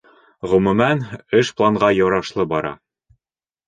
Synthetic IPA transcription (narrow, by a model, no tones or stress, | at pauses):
ʁɵ̆mɵ̆mænɘʃplˠɑɴʁɑjŏwɾɑʃlˠɤbɒɾɑ̰